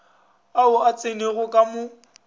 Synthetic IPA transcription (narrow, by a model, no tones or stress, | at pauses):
aʊat͡sʼeneɣʊkʼamʊ